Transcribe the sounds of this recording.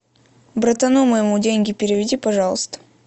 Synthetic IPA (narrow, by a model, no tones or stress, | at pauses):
bɾət̪ɐnuməjɪmudʲenʲɡʲɪpʲɪɾʲɪvʲɪdʲipɐʐɑlˠəst̪ə̥